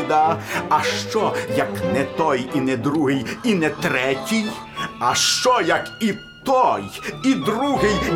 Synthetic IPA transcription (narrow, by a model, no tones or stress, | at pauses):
d̪aɐʃt͡ʃɔjɐknɛt̪ɔjinɛd̪ɾuɦɪjinɛt̪ɾɛtʲij | ɐʃt͡ʃɔjɐki | t̪ɔjid̪ɾuɦɪj